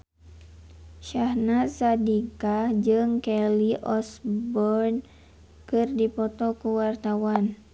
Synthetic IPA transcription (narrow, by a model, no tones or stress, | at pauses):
ʃahnasadikad͡ʒɨŋkɛliʔɔsbɔrn | kɨrdipɔt̪ɔkuwart̪awan